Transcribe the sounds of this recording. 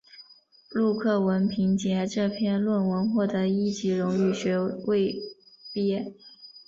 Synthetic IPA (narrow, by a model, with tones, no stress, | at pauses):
lu˥˧kʰɤ˥˩wə˧˥npʰi˧˥ŋt͡ɕjɛ˧˥ʈ͡ʂɤ˥˧pʰjɛ˥˧nlwə˥˩nwə˧˥nxwɔ˥˩d̪ɤə˧˥i˥t͡ɕi˧˥ɻʊ˧˥ŋy˥˩ɕɥɛ˧˥we˥˩ɪ | pjɛ˥